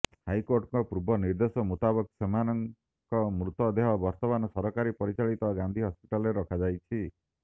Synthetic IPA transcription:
hajkoɾʈŋkɔpubɔniɾd̪esɔmut̪abɔksemanɔŋ | kɔmɾut̪ɔd̪eɦɔbɔɾt̪ɔmanɔsɔɾɔkaɾipɔɾit͡ʃaɭit̪ɔɡand̪ʱiɦɔspiʈalɔɾeɾɔkʰad͡ʒajt͡ʃʰi

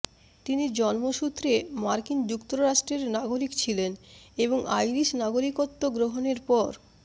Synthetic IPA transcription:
t̪iniɾd͡ʑɔnmoʃut̪ːɾemaɾkind͡ʑukt̪oɾɾaʃʈɾeɾnaɡoɾikt͡ɕʰileneboŋʔajɾiʃnaɡoɾikot̪ːoɡɾoɦoneɾpɔɾ

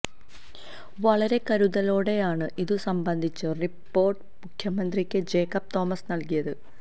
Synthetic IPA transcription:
ʋɐɭɐɾe̞kɐɾuðɐloːɽe̞jaːɳɨʔiðɨsɐmbɐnd̪ʱit͡ɕːɨripːo̞ːrʈɨmukʰjɐmɐnd̪rikʲːɨd͡ʑe̞ːkːɐp̚t̪o̞ːmɐsnɐlkijɐðɨ

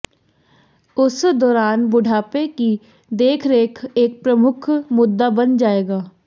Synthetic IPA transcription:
ʊsd̪ɔːɾaːnbʊɖʱaːpeki | d̪eːkʰɾeːkʰeːk̚pɾɐmʊkʰmʊd̪ːabɐnd͡ʒaːeːɡaː

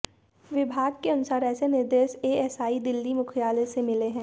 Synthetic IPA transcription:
ʋɪbʱaːɡ̚keɐnʊsaːɾɛːsenɪɾd̪eːʃeːɛsaːid̪ɪlːimʊkʰijaːlesemɪleɦɛ̃ː

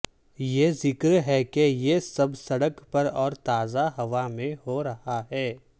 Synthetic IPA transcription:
jeːzɪkɾɦɛkejesɐbsɐɽəkpɐɾɔːɾt̪aːzaɦɐʋamẽɦoɾɐhaɦɛː

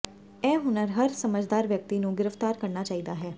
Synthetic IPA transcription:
ɛ̃ːɦʊnəɾɦəɾsəməd͡ʒd̪aːɾʋjək̚t̪iːnũːɡɪɾəft̪aːɾkəɾnaːt͡ʃaːiːd̪aːɦɛː

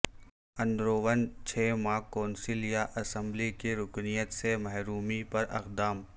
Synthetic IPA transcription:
ɐ̃nd̪ɾoːʋənt͡ʃʰeːmãːkɔ̃ːnsɪljaʔɐsə̃mblikeɾʊknijət̪semɐɦɾuːmipɐɾɐ̰qd̪aːm

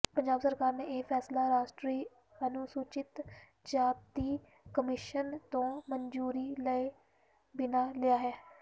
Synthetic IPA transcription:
pəɲd͡ʒaːbsəɾkaːɾneːʔeːpʰɛːslaːɾaːʃʈɾiː | ənuːsuːt͡ʃɪt̪ | d͡ʒaːp̚t̪iː | kəmɪʃənt̪õːməɲd͡ʒuːɾiːləe | bɪnaːlɪjaːɦɛː

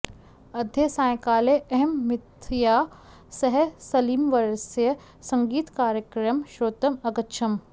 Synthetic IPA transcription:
ɐd̪ʱjɐsãːjkaːleɐɦɛmːɪt̪ʰjaː | sɐɦsɐliːmʋɐɾsjə | sɐ̃ŋɡiːt̪kaːɾjəkɾɐmʃɾoːt̪ɐmɐkətːʃʰɐm

